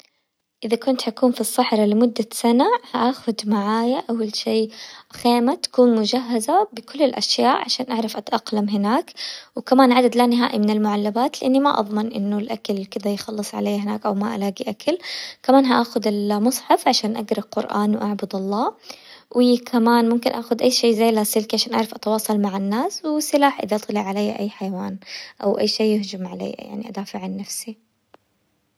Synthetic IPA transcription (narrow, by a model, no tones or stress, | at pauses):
ʔɪðakʊnt̪hakuːnfisˤːɑħɾˤɑlɪmʊd̪ːasanahaʔaxʊd̪maʕaːjaʔawalʃeːxeːmat̪ḁkuːnmʊd͡ʒaɦːazabɪkʊlːɪlʔa̰ʃjaːʔʕaʃaːnʔaʕɾˤɑfʔat̪ʔɑqlamɦɪnaːkwkamaːnʕad̪ad̪laːnɪɦa̰ːʔimɪnɪlmʊʕalːabaːt̪lɪʔanːima̰ʔɑ̰ðˤmɪnʔɪ̰nːʊlʔakalkɪd̪ajxɑlːɨsˤʕa̰leːɦɪnaːkʔawmaʔa̰laːɡiʔakʰalkamaːnɦaʔaːxʊd̪ɪlmʊsˤħɑfʕaʃaːnʔaɡɾɑqʊɾʔa̰ːnwʔaʕbʊd̪ɑlˤːɑːwʔɪːkʰamaːnmʊmkɪnʔaːxʊd̪ʔajːʃeːzajːlasɪlkiʕaʃaːnʔaʕɾˤɑfʔat̪ɑwɑːsˤɑlmaʕanːaːswɪsɪlaːħʔɪ̰ðaʔɑt̪ˤlɪʕalajːaʔa̰jːħajawaːnʔa̰wʔajːʃeːʊhd͡ʒʊmʕalḛːa̰ja̰ʕnḭʔa̰d̪aːfɪʕanːafsi